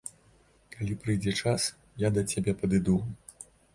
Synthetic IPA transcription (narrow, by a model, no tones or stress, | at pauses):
kalʲipɾɨjd͡zʲɛt͡ʂas | jad̪ɐt͡sʲabʲɛpɐd̪ɨd̪u